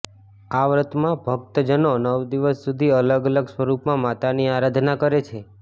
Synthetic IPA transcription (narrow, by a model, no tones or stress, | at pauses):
aʋɾət̪mãbʱək̚t̪əd͡ʒənonəʋd̪iʋəsːud̪ʱiələɡələɡsʋəɾupmãmat̪aniaɾad̪ʱnakəɾet͡ʃʰe